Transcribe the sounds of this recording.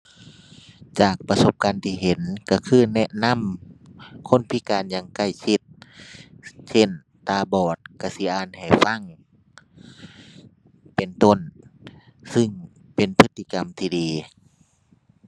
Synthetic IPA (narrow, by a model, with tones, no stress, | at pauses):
t͡ɕaː˨˩k̚pa˧so˧˦p̚kaː˧˨nt̪ʰiː˧˩ɦe˨˧˦nka˧˩kʰɯː˧˨nɛ˧ʔna˧˥˨m | kʰo˧˥˨npʰi˧˥˨kaː˨njaː˧ŋka˧˩jsʰi˧t̪̚ | se˧˥˨n | t̪aː˧˩bɔː˨˩t̪̚ka˧˩si˧˦ʔaː˧nha˨˩jfa˧˥˨ŋ | pe˨nt̪o˧˨n | sɯ˧ŋ | pe˨npʰɯ˧˥t̪ʰːi˧ka˨mt̪ʰiː˧diː˨